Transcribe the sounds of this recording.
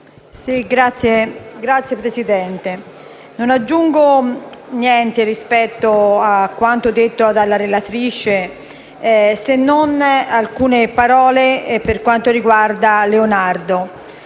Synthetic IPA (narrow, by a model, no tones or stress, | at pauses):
siɡɾat̪sːjeɡɾat̪sːjepɾesid̪ɛnt̪e | nonad͡ʒːuŋɡonjɛnt̪erispɛt̪ːoakːwant̪od̪et̪ːoad̪alːaɾelat̪ɾiːt͡ʃe | senːonalkuːnepaɾɔːleperkwant̪oɾiɡward̪aleonard̪o